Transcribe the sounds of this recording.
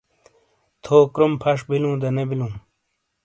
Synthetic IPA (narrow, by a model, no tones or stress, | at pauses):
t̪ʰoːkɾumpʰɐʂbilũːd̪ɐnebilũː